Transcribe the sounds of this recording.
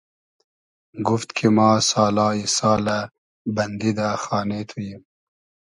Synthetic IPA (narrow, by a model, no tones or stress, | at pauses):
ɡuft̪kʰimɑːsɑːlɑːisɑːla | bɐnd̪id̪axɑːnet̪ʰujim